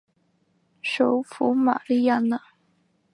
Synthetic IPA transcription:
ʂo˨˩ʊfu˧˥ma̰˨˩li˥˧ja˥˧˨na˨

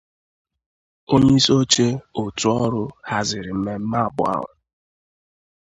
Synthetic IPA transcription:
o˦ɲe˦i˦so˦t͡ʃe˦o˨tʊ˨ɔ˦ɾʊ˦ha˦zɪ˨ɾɪ˨m̩˦me˦m̩˦ma˦˨bʊ̰˨a̰˦ɦʊ̰˨

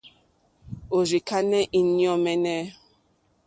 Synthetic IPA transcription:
o˨ɾi˨ka˦nɛ˦ʔi˦njɔ˦mɛ˦nɛ˦

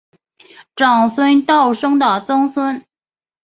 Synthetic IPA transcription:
ʈ͡ʂɑ˨˩ŋswə˥nt̪ɑ˥˩ʊʂɤ˥ŋd̪ə˨˩t͡sɤ˥ŋswə˥n

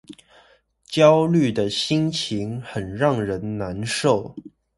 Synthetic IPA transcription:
t͡ɕjɑ˥ʊly˥˩d̪ə˩ɕi˥ŋt͡ɕʰi˧˥ŋxə˨˩nɻɑ˥˩ŋɻə˧˥nna˧˥nʂo˥˩ʊ

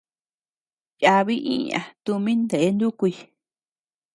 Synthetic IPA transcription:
ja˧βi˦ʔĩ˦ɲã̰˨t̪u˧mĩ˦nd̪e˨e˦nd̪u˦ku˧i˧

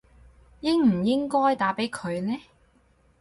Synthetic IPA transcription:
jɪ˥ŋm̩˨˩jɪ˥ŋkɔː˥jt̪aː˨˥pe˨˥jkʰɵ˨˧ɥnɛː˥

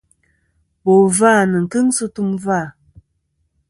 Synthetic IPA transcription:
bo˨va˦˨nɨ˨ŋ̩˨kɨ˦ŋsu˦tu˦mva˦˨

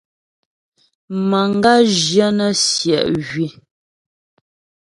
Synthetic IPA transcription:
ma˨ŋ˦ɡa˦ʒjə˦nə˦sjɛ̰˨ʔɣɥi˨

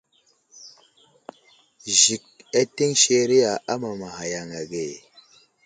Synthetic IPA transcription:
ʒi˨k̚a˦te˦ŋʃe˦ɾi˦ja˨a˦ma˨ma˨ha˨ja˨ŋa˨ɡe˨

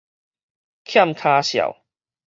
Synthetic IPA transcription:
kʰja˥˨mkʰaː˧ɕja̰˨˩w

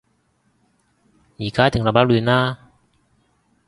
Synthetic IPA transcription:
jiː˨˩˦kaː˦˥t̪ʰŋla˧ba˦˥luː˧naː˥˩˨

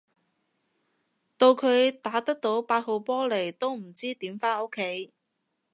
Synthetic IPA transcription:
t̪o˧wkʰɵ˨˧ɥt̪aː˨˥t̪ɐ˥k̚t̪o˨˥wpaː˧t̚ho˨˧wpɔː˥le˨˩jt̪o˥wm̩˨˩t͡siː˥t̪iː˨˥mfaː˥no˥kʰːe˨˥j

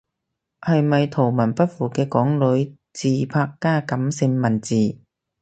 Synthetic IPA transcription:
hɐ˨jmɐ˨jt̪ʰo˨˩wmɐ˨˩npɐ˥t̚fuː˨˩kɛː˧kɔː˨˥ŋlɵ˨˧˥ɥ | t͡siː˨pʰaː˧kːaː˥kɐ˨˧˥msɪ˧ŋmɐ˨˩nt͡siː˨˩

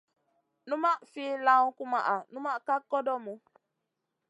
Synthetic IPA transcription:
nu˦ma˦ʔfi˦la˦ŋ˦ku˦ma̰˨ʔa˨nu˦ma˦ka˦kɔ˦dɔ˦mo˨

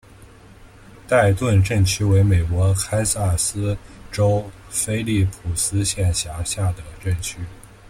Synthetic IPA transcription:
t̪a˥˧ɪt̪wə˥˧nʈ͡ʂə˥˩nt͡ɕʰy˥we˧˥ɪme˨˩ɪkwɔ˧˥kʰa˥ɪsa˥˩sɹ̩˥ʈ͡ʂo˥ʊ | fe˥ɪli˥˩pʰu˨˩sɹ̩˥ɕjɛ˥˩nɕja˧˥ɕja˥˩d̪ə˩ʈ͡ʂə˥˩nt͡ɕʰy˥

